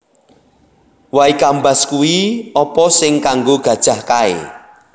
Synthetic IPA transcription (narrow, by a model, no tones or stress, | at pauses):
waikambaskuwiɔpɔsɪŋkaŋɡoɡ̥ä̤d̥ʒ̥a̤hkaḛ